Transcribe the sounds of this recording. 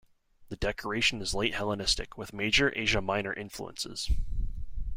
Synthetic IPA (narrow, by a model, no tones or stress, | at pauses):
ðɨdɛkʰə˞eɪʃɨ̃n̩ɨzleɪt̚hɛlˠənɪstɨ̰kʰwɨðmeɪd͡ʒə˞ʔḛɪʒəmãɪ̃nə̰˞ʔɪ̃ɱflṵə̰̃nsɪ̰z̥